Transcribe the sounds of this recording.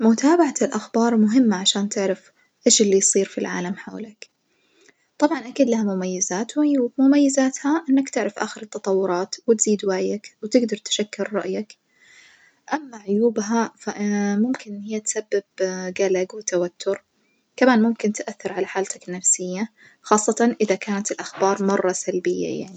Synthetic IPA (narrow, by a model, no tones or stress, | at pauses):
mʊt̪aːbaʕat̪ɪlʔaxbɑːɾˤmʊɦɪmːaʕaʃaːnt̪ɪʕɾaf | ʔeːʃɪlːijsˤiːɾfilʕa̰ːlamħa̰ːlak | t̪ˤɑbʕɑnʔakiːd̪lahamʊmajːɪzaːt̪wʕʊjuːbmʊmajːɪzaːt̪haʔɪnːakt̪ɪʕɾafʔa̰ːxɪɾɪt̪ːɑt̪ˤɑwːʊɾˤɑːt̪wɪt̪z̥iːd̪waʕjakwt̪ɪɡd̪ɑɾˤt̪ʃakːɪɾːˤɑ̰ʔjak | ʔamːaʕʊjuːbɦafamʊmkɪnhɪjːat̪sabːɪbɡalaɡwɪt̪awat̪ʰːʊɾ | kamaːnmʊmkɪnt̪ʔaθːɪɾʕalaħaːlt̪akɪnːafsɪjːa | xɑːsˤːɑt̪ɑnʔɪðakaːnat̪ɪlʔaxbɑːɾˤmɑrˤːɑsalbɪjːa̰ja̰ʕni